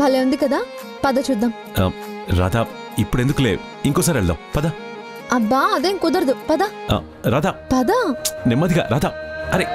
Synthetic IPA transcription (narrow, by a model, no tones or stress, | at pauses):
bɐleʋɐnd̪ɯkːɐðãː | pɐðɐt͡ʃʊd̪ːɐm | a̰ː | ɾa̰ːd̪aː | ɪpːɐɽiɛnd̪ɯkːɐlḛː | ɪŋkoːs̬aːɾɛɭd̪õ̰pɐða | ɐbːaːɐðẽːŋkʊd̪ɐɾɐðɯpɐd̪aːa̰ː | ɾaːd̪aːpɐd̪anɛmːɐːðɪɣa̰ɾʔaːd̪aːɐɾe